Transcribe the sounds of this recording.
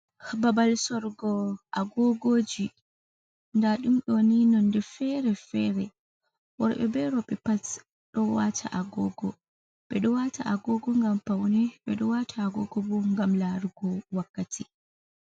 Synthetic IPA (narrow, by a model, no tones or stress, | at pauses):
hababalsɔɾɡɔʔaɡɔɡoːd͡ʒi | ndaɗumɗɔninɔndɛfɛɾɛfɛɾɛ | wɔɾɓɛ̰bɛɾɔɓɛpat | ɗɔwatʰa̰ʔaɡɔɡɔ̰ | ɓɛɗɔwata̰ʔaɡɔɡɔŋɡampawnɛɓɛɗɔwatʰaːɡɔɡɔbɔŋɡamlaɾuɡɔwakːatʰi